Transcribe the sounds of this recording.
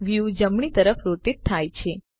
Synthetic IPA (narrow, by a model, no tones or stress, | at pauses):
ʋjud͡ʒəmɳit̪əɾəfʰɾoʈit̪ʰːajt͡ʃʰe